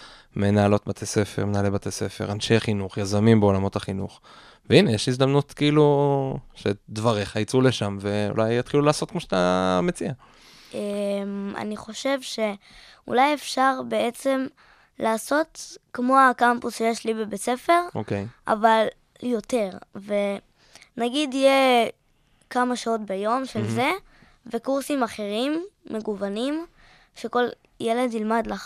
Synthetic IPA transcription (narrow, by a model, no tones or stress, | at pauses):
menaːlo̞tbat̪ʰese̞fe̞̰ʁmenaːlebat̪ʰese̞fe̞̰ʁanʃejaχinuχjazamimbeo̞lamo̞taχinuχ | veinejeʃlizd̪amnutkeiːlu | ʃed̪vaʁeχait͡suleʃamveṵlʔajat̪χilulaːsot̚kmoʃat̪a̰met͡sia | ema̰niχo̞ʃe̞vʃe̞ | ṵlajefʃaʁbe̞et͡se̞m | laːso̞t̪kmo̞akampusʃejeʃlibebet͡se̞fe̞ʁokeʔa̰val | jo̞te̞ʁve | naɡidije | kamaʃao̞tbejo̞mʃelze̞ | ve̞kuʁsimaχe̞ʁimːe̞ɡuvanim | ʃe̞ko̞l | jele̞dnilmadlaχ